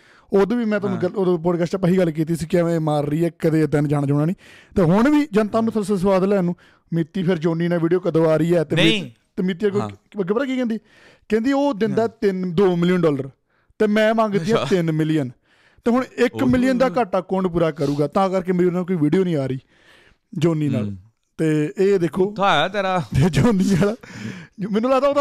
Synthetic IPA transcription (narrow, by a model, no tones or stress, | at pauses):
oːd̪ʋiːmɛ̃ːt̪ːɡəloːd̪poːʈkəːst͡ʃaːpəɦiːɡəlːkiːt̪̬iːsiːkɪʋɛ̃ːmaːɾːiːɛːkəd̪eːd̪ənd͡ʒaːnaːd͡ʒãːɳaːnĩː | t̪eːɦʊɳʋiːd͡ʒənt̪aːnũːsʰəsəs̬ʋaːd̪lɛːnũː | mɪt̪ːiːpʰɪɾd͡ʒoːniːnaːʋiːɖijoːkəd̪oːaːɾəiːɛːt̪eː | t̪eːmɪːt̪̬iːɛkoəɡeːbəɾaːkiːkɛ̃nd̪i | kɛ̃ːnd̪iːoːd̪ɪnd̪aːɛːt̪ɪnd̪oːmɪlijənɖɔːləɾ | t̪eːmɛ̃ːmãːŋɡd̪iːãːt̪ɪnmɪlijən | t̪eːɦʊɳɪkmɪlɪjənd̪aːkaːʈːaːkõːɳɖp̬uːɾaːkəɾuːɡaːt̪ãːkəɾk̬emeːɾinaːkoːiːʋiːɖijoːnĩːaːɾəiː | d͡ʒoːniːna̰ːl | t̪eːeːd̪eːkʰːoːajat̪eɾat̪eːd͡ʒoːniːaːl | mɛ̃ːnːũːlaːt̪aoːt̪ː